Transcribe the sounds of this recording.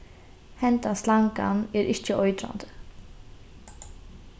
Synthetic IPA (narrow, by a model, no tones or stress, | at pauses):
hɛnt̪aslaŋka̰nɛɾʔɪçcːəʔɔʏd̪ɾa̰nd̪ə